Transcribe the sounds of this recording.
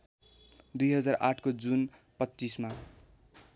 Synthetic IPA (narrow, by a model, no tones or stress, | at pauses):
d̪ujɦʌd͡zarʔaʈʰkod͡zun | pʌt͡sːisma